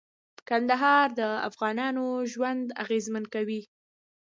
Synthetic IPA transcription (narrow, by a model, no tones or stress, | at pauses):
kand̪aɦɑɾd̪əa̰fɣɑnɑnoʒwand̪a̰ɣezmənkawi